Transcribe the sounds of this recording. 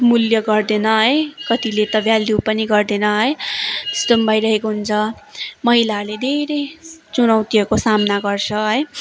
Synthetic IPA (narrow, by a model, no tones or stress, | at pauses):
muljʌɡʌrd̪enʌɦʌjkʌt̪ilet̪ʌbjaljupʌniɡʌrd̪enʌɦʌjt̪e̥st̪ombʱajɾʌɦekoɦunt͡sʰʌmʌɦilaled̪ʱeɾejt͡sunʌwt̪ijʌkosamnaɡʌrt͡sʰʌɦʌj